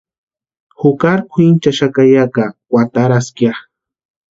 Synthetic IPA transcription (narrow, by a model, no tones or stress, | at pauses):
hʊkaɾkʷʰint͡ʃaʃakajakawʷat̪aɾaskjaχ